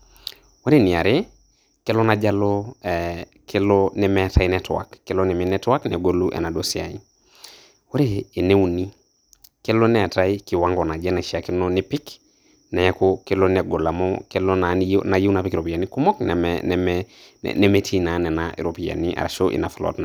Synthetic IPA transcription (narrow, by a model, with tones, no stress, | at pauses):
wa˦ɾeni˨a˨ɾe˦ | kɛ˦lɔ˦nad͡ʒalɔɛ | kʰelɔnɛ˨mɛta˦i˦nɛtwa̰˨kːɛlonɛ˨mɛnɛtwa˦knɛ˨ɡo˦lu˦ʔɛ̰˨na˨dosia̰i | we˦ɾeː˨ne˦u˦ni˦ | ke˦lo˦nɛ˨ta˦iki˨waŋɡɔna˨d͡ʒɛ˦naʃa˨ki˦noni˦pi˦k | na˨jɛ˦koke˦lonɛ˨ɡo˨la˨mɔke˦lonana˨ji˦wna˨pikɾo˨pi˨a˨niku˦mɔ˦knɛ̰mɛnɛmɛ̰ | nɛ˦metʰi˦nanɛ˨naḭ˨ɾopi˨ja̰˨niʔa̰˨ɾaʃoʔḭ˨na˨flɔ̰tna